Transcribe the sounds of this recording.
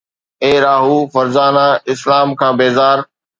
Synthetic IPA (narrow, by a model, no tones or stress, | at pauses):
eːɾaːɦuːfɐɾzaːnaɪslaːmkʰãːbeːzaːɾ